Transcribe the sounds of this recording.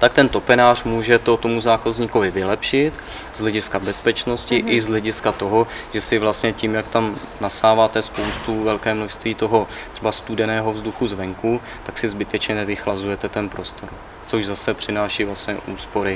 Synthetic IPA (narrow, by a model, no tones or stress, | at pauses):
t̪ak̚t̪ɛnt̪o̞pɛnaːr̝muːʒɛt̪ot̪omuzaːkazɲikovɪvɪlɛpʃɪt̪ | zɦlɛɟɪskabɛspɛt͡ʃno̞scɪʔɪzɦlɛɟɪskat̪o̞ɦo̞ʒ̥ɛsɪvlast̪ɲɛcimjakt̪am | nasaːvaːt̪ɛspowst̪uvɛlkɛːmnoʃst̪viːt̪o̞ɦo̞ | t̪r̥ɛbast̪udɛnɛːɦo̞vzd̪uxuzvɛŋku | t̪aksɪzbɪt̪ɛt͡ʃɲɛnɛvɪxlazujɛt̪ɛt̪ɛnpɾo̞st̪o̞ɾ | t͡soʒzasɛpr̝̥ɪnaːʃiːvlast̪ɲɛ̰ʔuːspo̞ɾɪ